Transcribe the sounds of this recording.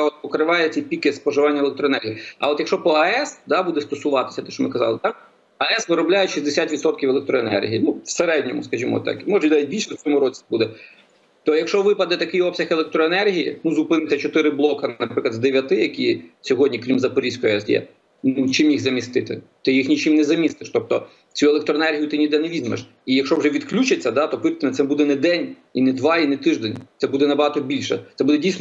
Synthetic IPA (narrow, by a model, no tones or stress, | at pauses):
ɛɔt̪̚pɔkɾɪʋɑjɛt͡sʲɛjpʲikɪspɔʒɪʋɑnʲːɐeɛlˠek̚t̪ɾɔnɛrʲɦʲijːɐ̰oɔt̪jɐkʃɔpɔɐɛsd̪ɑbud̪ɛst̪ɔsʊʋɑt̪ɪ̥sʲɐt̪ɛʃt͡ʃɔmɪkɐzɑlˠɪd̪a | ɐɛsʋɪɾɔblʲajɛʃizʲd̪esʲat̪ʋʲit̪sɔt̪̚kʲiwɛlˠek̚t̪ɾɔenɛ̰rɦʲijinuʋseɾɛdʲnʲɔmʊ̰skɐʒʲimɔ̰t̪ɑ̰kmɔʒɐinaʋʲit̚ʲbʲilʲʃɛwt͡sʲɔmʊɾɔt͡sʲi̥bud̪ɛ | t̪ɔjɐkʃt͡ʃɔʋɪpɐd̪ɛt̪ɐkɪjɔpsʲɐxelˠek̚t̪ɾɔenɛrɦʲijḭnuzʊpɪnɪt̪ʲɐt͡ʃɔt̪ɪɾɪblˠɔkɐɐpɾɪklˠɐd̪d̪eʋʲjɐt̪ɪjɐkʲisʲɔɦɔdʲnʲikɾʲimzɐpɔɾʲisʲkɔjjɛsjɛ̰ | nut͡ʃɪmjixzɐmʲist̪ɪt̪ɪ̰t̪ɪjixnʲit͡ʃɪmnɛzɐmʲist̪ɪʃt̪ɔp̚t̪ɔ | t͡sʲuɛlˠekt̪ɾɔenɛrɦʲijʊt̪ɪnʲid̪ɛnɛʋʲizmḛʃ | ijɐkʃɔwʒɛʋʲid̪klʲut͡ʃet͡sʲːɐd̪ɑt̪ɔpɪt̪ɪnɛt̪sɛbud̪ɛnɛd̪ɛnʲ | inɛd̪ʋɑinɛt̪ɪʒd̪enʲt̪sɛbud̪ɛnɐbɐɦɑt̪ɔbʲilʲʃɛ̰t̪sɛbud̪ɛdʲijsnɔ